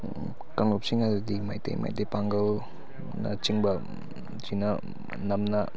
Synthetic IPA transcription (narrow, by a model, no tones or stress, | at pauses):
kɐŋlop̚siŋɐdudimajtḛjma̰jtejpaŋɡɐl | nɐ̰t͡ʃiŋbɐ | d͡ʒinɐ | nɐmnɐ